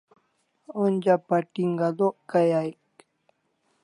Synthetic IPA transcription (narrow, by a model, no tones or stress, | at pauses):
ond͡ʒapaʈiŋɡad̪oʔkajajk